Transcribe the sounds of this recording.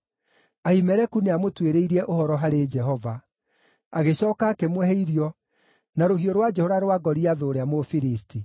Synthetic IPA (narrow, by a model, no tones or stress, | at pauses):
aimɛɾɛkuneamotweɾeiɾiɛʔohɔɾɔɦaɾed͡ʒɛɦɔva | aɣeɕɔːkaːkemwɛɦeiɾiɔ | naɾoɦioɾwad͡ʒɛhɔvaɾowaɡɔɾiaðoːɾeamofiɾisti